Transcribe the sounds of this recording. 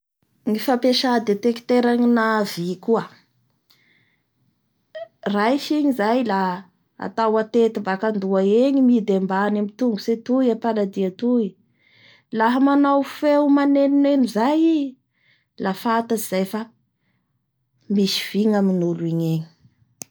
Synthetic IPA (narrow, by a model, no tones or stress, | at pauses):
ŋifapeʃad̪et̪ekt̪eɾaɲinavikuə | rajʃiɲizajla | a̰t̪awat̪et̪imbakand̪uaeɲimid̪embanamit̪uŋɡuset̪ujapalad̪iat̪ui | laɦamanawfewmaneninenizaji | lafat̪aziz̥ajfa | misi̥v̥iŋaminuluiɲeɲi̥